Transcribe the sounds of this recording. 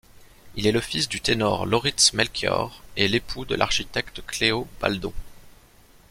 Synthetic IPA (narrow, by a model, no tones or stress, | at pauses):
ilɛləfisd̪yt̪enɔ̰ʁlɔʁit̪smɛlkʰʲjœ̰ʁelepʰud̪ə̰lʔa̰ʁʃit̪ɛkt̪kleob̥a̰ld̪ɔ̰̃